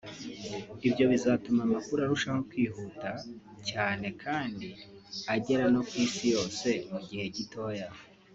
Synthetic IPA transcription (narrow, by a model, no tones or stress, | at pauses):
ibjo̞βizaːtumamakuɾaɾuʃaŋo̞kwiːɦuta | caːne̞kʰaːndi | aɟe̞ɾano̞kwiːsijo̞ːse̞muɟihe̞ɟito̞ːja